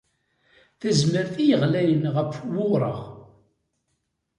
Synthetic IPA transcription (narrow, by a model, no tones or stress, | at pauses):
θəzməɾθijəʁlæjənʁəfwʊɾˤə̰ʁ